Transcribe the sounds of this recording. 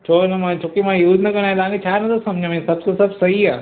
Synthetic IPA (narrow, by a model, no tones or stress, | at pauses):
t͡ɕʰoːnɐmãːt͡ʃʰoːkimãjuːznɐkɐ̃naːẽt̪ãːŋkʰet͡ɕʰaːnɐt̪ʰosɐ̃m̤d͡ʑʱə̃ʋẽsɐbʱt̪osɐbʱsɐɦiaː